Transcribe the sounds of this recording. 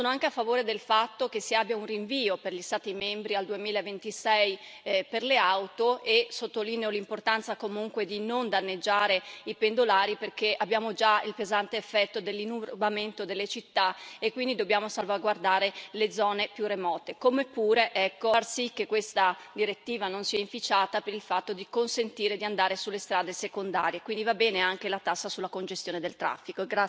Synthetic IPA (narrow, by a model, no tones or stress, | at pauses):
soːnoaŋkeafːavoːɾed̪elfat̪ːok̟esːiabjaunriɱviːoperʎist̪aːt̪imembɾiald̪uemiːlaevent̪isɛjperleawt̪oesot̪ːoliːneolimport̪ant̪sakomuŋkwed̪inond̪anːed͡ʒːaːɾeipend̪olaːɾiperkeʔabjaːmod͡ʒailpezant̪eːfːɛt̪ːod̪elːinːubament̪od̪elːet͡ʃit̪ːaekːwind̪id̪objaːmosalvaɡward̪aːɾeled̪zɔːnepjuremɔːt̪ekomepːuːɾeʔɛkːorsikːekːwest̪a | d̪iɾet̪ːiːvanonsiaiɱfit͡ʃaːt̪apeɾilfat̪ːod̪ikonsent̪iːɾed̪iand̪aːɾesulːest̪ɾaːd̪esekond̪a̰ːɾjekwind̪ivabːɛːneaŋkelat̪asːasulːakond͡ʒest̪joːned̪elt̪ɾa̰fːikoɡɾa